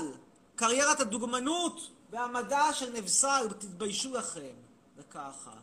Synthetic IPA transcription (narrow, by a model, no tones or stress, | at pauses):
l | kaʁjeʁat̪ad̪uɡmanut̪beamadaʃenevsalbet̪it̪bajʃulaχe̞m | vekaχa̰